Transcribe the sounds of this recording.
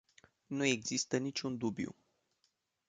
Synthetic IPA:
nue̞ɡzist̪ənit͡ʃʲund̪ubjṵ

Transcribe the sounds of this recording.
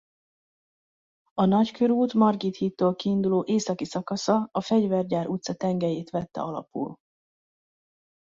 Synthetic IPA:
ɒnɒckʰø̞ɾuːt̪mɒrɡit̪hiːt̪ːoːlkiːnd̪uloːʔeːsɒkisɒkɒsɒɒfɛɟvɛrɟaːɾut̪sɒt̪ɛŋɡɛjeːt̪ʋɛt̪ːɛ̰ɒlɒ̰pṵl

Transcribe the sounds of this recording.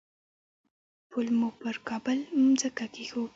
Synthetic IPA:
pʰʊlmupəɾkɑbəlmzəkakexu

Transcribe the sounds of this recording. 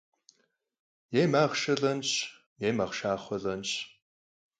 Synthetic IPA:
jeːmaːʁʃɐɮɐnɕ | jeːmɐʁʃaːχʷɔɮɐnʃ

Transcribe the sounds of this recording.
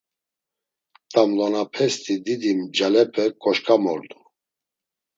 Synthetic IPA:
t̪ʼamlɔnapʰɛst̪ʰʼid̪id̪imd͡ʒalɛpʰɛkʼɔʃkʰʼamɔ̰ɾd̪u

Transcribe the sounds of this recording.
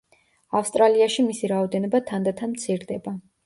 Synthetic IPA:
afst̪ʼɾaliaʃimisiɾaɔd̪ɛnɔbat̪ʰand̪at̪ʰanmt̪sʰiɾd̪ɛba

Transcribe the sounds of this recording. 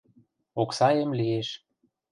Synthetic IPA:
oksɑjə̆mlieʃ

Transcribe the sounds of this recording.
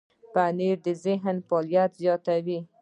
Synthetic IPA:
paniɾd̪əzɪɦnfɑljat̪zjɑt̪awi

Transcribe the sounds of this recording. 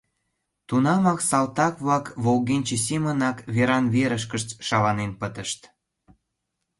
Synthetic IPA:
t̪unɑmɑksɑlt̪ɑkβlɑkβolɣenʲt͡ɕes̬imənɑkβeɾɑnβeɾəʃ̬kəʃt͡sʃɑlɑnenpət̪əʃt̪

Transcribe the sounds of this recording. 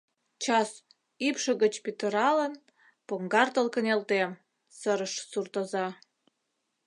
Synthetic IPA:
t͡ɕɑs | ipʃə̆ɣət͡ɕpit̪əɾɑlən | poŋɡɑrt̪əlkə̆nelt̪em | səɾəʃsurt̪əzɑ

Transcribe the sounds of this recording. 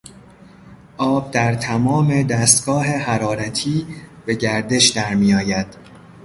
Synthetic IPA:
ʔɒːb̚d̪æɾt̪ʰæmɒːme̞d̪æːst̪ɡ̥ɒːɦeɦæɾɒːɾæt̪ʰiːb̥e̞ɟæɾd̪e̞ʃd̪æɾmiːjɒːjæd̪̥

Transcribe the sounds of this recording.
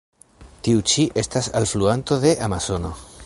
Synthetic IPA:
tiut͡ʃiʔe̞stasalfluanto̞ðe̞ʔamaso̞no̞

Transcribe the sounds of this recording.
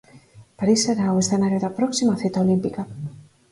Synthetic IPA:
paɾiseɾawesθenaɾjeðapɾoksimaθit̪aolimpika

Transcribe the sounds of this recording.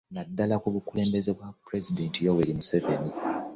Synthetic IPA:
nadːalakuβukule̞ːmbe̞ze̞βwapɾe̞zidentijoweɾimuse̞ve̞ni

